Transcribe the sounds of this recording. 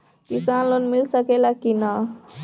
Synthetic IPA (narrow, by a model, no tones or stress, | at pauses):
kisanlonmilsəkelakina